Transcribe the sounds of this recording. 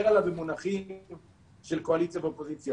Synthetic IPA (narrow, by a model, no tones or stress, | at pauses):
ealavemunaχi | ʃelko̞alitt͡sjaveopozit͡sja